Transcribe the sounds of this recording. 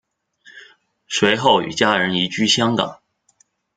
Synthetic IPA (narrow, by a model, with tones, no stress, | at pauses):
ʂwe˧˥ɪxo˥˩ʊy̰˨˩t͡ɕja˥ɻə˧˥ni˧˥t͡ɕy˥ɕjɑ˥ŋkɑ̰˨˩˦ŋ